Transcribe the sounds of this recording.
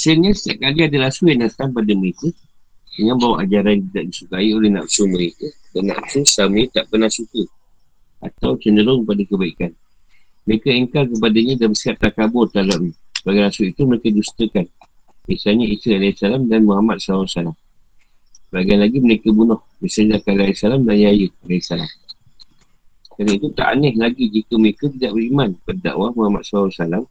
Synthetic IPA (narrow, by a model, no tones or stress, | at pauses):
səɲasə̥t̪aʔ̚kaliadəlasuanat̪ampadəməɾekə | dəŋanbawaʔad͡ʒaɾant̪̬idaʔ̚disukaiolɛhna̰p̚suməɾekədana̰p̚susamet̪aʔpənasukə | ʔa̰t̪awt͡ʃəndəɾʊŋkəpadakəbaikan | məɾekəəŋkalk̬əp̬adaɲadabəsiɦat̪̚ːakabʊrt̪alaʔɲasəbaɡilasuit̪uməɾekədust̪əkan | bisalɲaisəalajsalamdanmuɦamat̪̚saasalam | baɡianlaɡiməɾekəbunɔhbisaɲdakalajsalamdanjajəalaisalam | kanait̪ut̪a̰ʔnɛhlaɡid͡ʒikəməɾekət̪idaʔbəɾimanpadda̰ʔwahmuɦama̰t̪̚saasalam